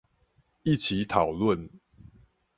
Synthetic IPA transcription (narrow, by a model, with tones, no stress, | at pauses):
i˥˨t͡ɕʰi˨˦t̪ʰɑ˨˩ʊlwə˥˨n